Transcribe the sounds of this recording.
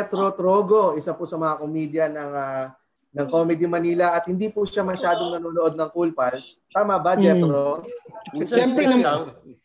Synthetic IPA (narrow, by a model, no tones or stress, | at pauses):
ɛt̪ɾot̪ɾoːɡoʔɪsɐpʊsɐmɐŋɐkomiːd̪jɐnɐŋɐ | nɐŋko̞mɛd̪imɐniːlɐʔɐt̪̚hɪnd̪ipʊʃamɐʃaːd̪oŋnɐnoːnoʔo̞d̪̚nɐŋkulpɐlst̪aːmɐbɐd͡ʒɛt̪ɾo | ɛnt̪n